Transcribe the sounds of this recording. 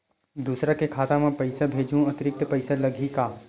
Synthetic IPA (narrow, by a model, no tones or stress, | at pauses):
d̪uːsɾakekʰaːt̪amẽpɐɪsabʱeːd͡ʒũɐt̪ɪɾɪk̚t̪pɐɪsalɐɡʱikaː